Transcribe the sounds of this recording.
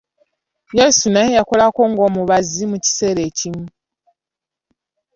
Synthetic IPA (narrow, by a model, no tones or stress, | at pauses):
je̞ːsunajejako̞lako̞ːŋɡo̞ːmuβazimuci̥se̞ːɾe̞ːcimu